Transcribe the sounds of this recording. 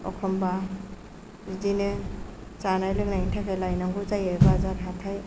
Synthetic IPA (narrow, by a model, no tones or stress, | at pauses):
ɔ̰kʰɔmba | idinɯ | t͡ʃanajlɯk̚naintʰakʰajlajnɔŋɡut͡ʃajebazaɾɦatʰaj